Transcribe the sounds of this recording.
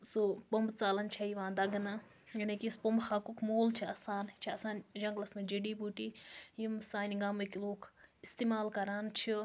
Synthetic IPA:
sopɐmbt͡saːlɐnt͡ʃʰɐiʋãːd̪ɐɡna | jinɐkispɐmbxaːkukʰmoːlt͡ʃʰiaːsaːnt͡ʃʰiɐsaːnd͡ʒɐ̃ŋɡlɐsnɐd͡ʒeɖiːpuʈiːjimsaːnʲɡamɨkiloːkʰist̪iːmaːlkɐɾaːnt͡ʃʰi

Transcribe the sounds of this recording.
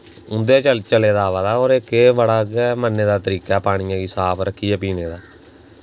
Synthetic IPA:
ʊnd̪eeːt͡ʃəlt͡ʃəleːd̪aːʋaːd̪aːoːɾekeːʋəɽaːɡːmənːeːd̪aːt̪əɾiːkaːpaːɽ̃ɪjãːɡiːsaːpʰɾəkʰːijɛːpiːneːd̪aː

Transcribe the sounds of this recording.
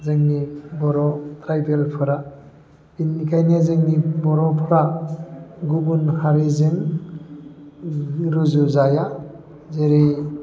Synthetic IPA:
zɯŋnibɔɾɔtɾajbelpʰɯɾa | binːikʰajnezɯŋnibɔɾɔpʰɾa | ɡubunhaɾizɯŋ | ɾuzuzaja | zeɾi

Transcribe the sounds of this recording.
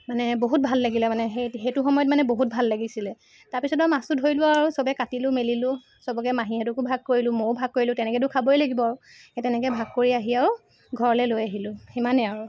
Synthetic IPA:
manɛboɦut̚bʱalːaɡilɛmanɛɦeɦejtʊxɔmɔjɔtmanɛboɦut̚bʱalːaɡisilɛ | taɹpisɔtamasʊdʱojlʊaɹusɔbɛkatilʊmelilʊ | sɔbɔkɛmaɦĩɛtʊkubʱaɡ̚koɹilʊ̃mowbʱaɡ̚koɹilʊtɛnɛkɛt̬ʊkʰabɔjlaɡibɔaɹʊ | etɛnɛkɛbʱaɡ̚koɹiaɦiaw | ɡʱɔɹɔlɛlojaɦilʊximanɛaɹʊ

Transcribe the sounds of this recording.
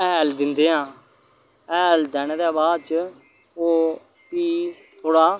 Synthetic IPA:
ɛːld̪ɪnd̪eːɦãː | ɛːld̪ɛːnːd̪ɛːbaːd̪t͡ʃ | oː | piː | t̪ʰoːɽaː

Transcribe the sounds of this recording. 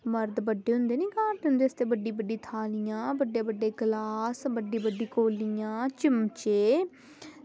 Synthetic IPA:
məɾd̪bəɖːeːɦʊ̃nd̪eːnĩːkaːɾʈ̪ɦʊ̃nd̪eːəst̪eːbəɖːiːbəɖːiːt̪ʰaːlɪjãːbəɖjeːbəɖːeːɡlaːsbəɖːiːbəɖːiːkoːlɪjãːt͡ʃɪmt͡ʃeː

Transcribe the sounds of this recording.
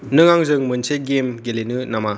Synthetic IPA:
nɯŋaŋzɯŋmɯnseɡemɡelenɯnama

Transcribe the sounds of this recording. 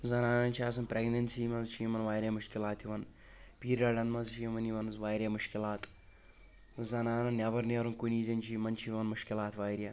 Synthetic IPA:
zɐnaːnɐnt͡ʃʰiaːs̬ɐnpɾʲeɡnɐnsiːmɐnzt͡ʃʰimɐnʋaːjɾʲjamuʃkilaːt̪ʰiʋɐn | piːɾaːɖɐnmɐzt͡ʃʰimɐniʋɐnɨzʋaːjɾʲjamuʃkilaːt̪ | zɐnaːnɐnnʲjabɐɾneɾɐnkuniːzɐnʲt͡ʃʰiːmɐnt͡ʃʰiʋɐnmuʃkilaːt̪ʰʋaːjɾʲja

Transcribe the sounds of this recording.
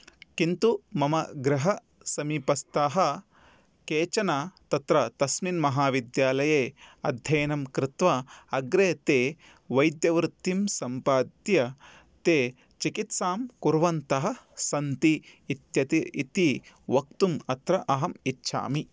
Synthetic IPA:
kint̪umɐmɐɡɾɪɦɐ | sɐmiːpɐst̪aːɦɐ̆ | keːt͡ʃɐnaːt̪ɐt̪ɾɐt̪ɐsminmɐɦaːʋid̪jaːlɐjeːɐd̪ʱjɐjnɐmkɾɪt̪ʋɐɐɡɾeːt̪eː | ʋɐjd̪jɐʋɾɪt̪ːimsɐmpaːd̪jɐ | t̪eː | t͡ʃikit̪saːmkuɾʋɐnt̪ɐɦɐ̆sɐnt̪iːt̪jɐt̪iit̪i | ʋɐk̚t̪umɐt̪ɾɐʔɐɦɐmitːʃʰa̰ːmi

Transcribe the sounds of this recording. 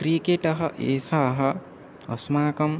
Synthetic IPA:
kɾikeʈɐɦɐʔeːsaɦɐ | ɐsmaːkɐm

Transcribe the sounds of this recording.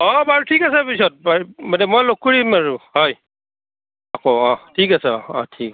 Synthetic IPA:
ɔbaɹutʰikasɛpisɔt̚bamanɛmɔjlokːuɹimaɹuhɔj | akoɔ̃tʰikasɛɔ̰tʰik

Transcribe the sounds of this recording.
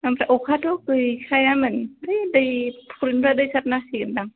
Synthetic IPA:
amɾaʔɔkʰatʰɔkɯjkʰajamɯndɯjdɯjpʰɔɾinbɾadɯjsat̚nasiɡɯndaŋ

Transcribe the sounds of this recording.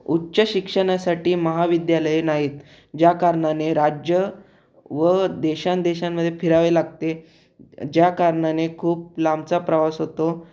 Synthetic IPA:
utːɕəɕikʂəɽ̃asaʈiːməɦaʋid̪jaləjnaɦiːt̪ | d͡ʑjakaɾɳaneɾad͡ʑjə | ʋəd̪eɕãnd̪eɕamːəd̪ʱːjefʰiɾaʋelaɡ̚t̪e | d͡ʑjakaɾɳanekʰuːp̚lamt͡sapɾəʋasɦot̪o

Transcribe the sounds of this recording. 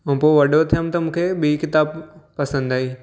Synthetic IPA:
ũːpoʋɐɗot̪ʰijəmt̪ɐmũːkʰeɓiːkɪt̪aːbpːɐsə̃nd̪aːiː

